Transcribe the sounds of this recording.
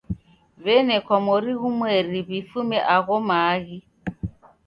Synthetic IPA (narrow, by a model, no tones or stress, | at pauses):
βɛnɛkwamɔɾiɣumwɛɾiβifumɛʔaɣɔmaːɣi